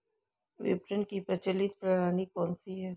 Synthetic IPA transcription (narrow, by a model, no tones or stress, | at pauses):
ʋɪ̰pɾəɳkipɐt͡ʃəlit̪̚pɾaɾaːnikɔːnsiɦɛː